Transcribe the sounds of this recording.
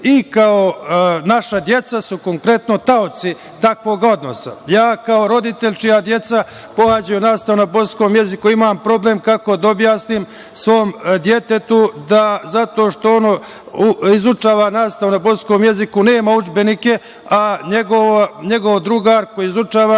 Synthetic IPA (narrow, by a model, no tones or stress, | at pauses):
ikaonaʃad̪je̞t̪sasuko̞ŋkɾe̞t̪no̞t̪aot̪si | t̪akʋoːɡo̞d̪no̞̰sa̰jaːkaoɾo̞d̪it̪e̞ʎʲt͡ʃijad̪je̞t̪sa | po̞had͡ʑajunaːst̪aʋonapo̞skoːmje̞zikuimaːmpɾo̞ble̞ːmkako̞d̪aobjaːsnim | sʋo̞ːmd̪je̞t̪e̞t̪ud̪azat̪o̞ːʃt̪o̞ono | uizut͡ʂaːʋanaːst̪aʋonapo̞skoːmje̞zikune̞ːmaud͡ʒbe̞nike̞ | aɲeɡoʋoɲe̞ɡo̞ʋd̪ɾuɡaːɾkoiizut͡ʂaːʋa